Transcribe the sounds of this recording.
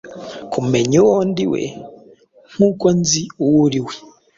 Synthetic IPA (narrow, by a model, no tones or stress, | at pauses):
kummeɲuwondiwḛ | m̥ukonziuwuɾiwe